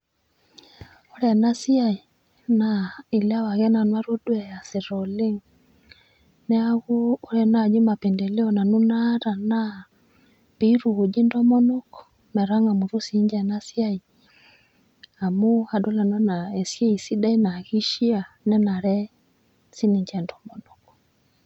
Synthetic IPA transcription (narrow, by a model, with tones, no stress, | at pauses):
ɔ˦ɾɛ˨na˦si˦a˦i˨ | na˨i˨la˦wa˨ɣɛ˦na˨nwa˦ɾo˦dwɛ˨ja˨se˨ɾɔ˨le˦ŋ | nɛ˦a˦ɣuː˦ɾɛ˨na˦˨d͡ʒi˦ma˨pɛ˨ndɛ˨lɛ˦ɔ˨na˨nu˦na˦ɾa˨na˦ | pe˨i˦ɾu˨ɣo˨d͡ʒi˦ndɔ˦mɔ˦nɔ˦kɔ̥ | mɛ˨ɾa˦ŋa˨mu˨ɾu˦si˨˦ɲd͡ʒɛ˨na˦si˦a˦i˨ | a˨mo˦a˨dɔ˦la˨nɔ˦na˨ɛ˨sjɛ˦i˨si˦da˦i˦na˨ɣi˦ʃi˦a˨nɛ˦na˨ɾɛ˦ | si˦ni˨ɲd͡ʒɛ˨ndɔ˨mɔ˨nɔ˨kɔ̥